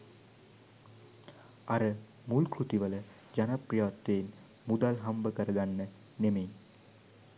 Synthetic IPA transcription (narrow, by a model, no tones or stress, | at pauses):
ɐɾɐ | mulkɾut̪iʋɐlɐ | d͡ʒɐnɐprɐjaːt̪ːen | mud̪ɐlɦɐmbɐkɐɾɐɡɐnːɐ | neme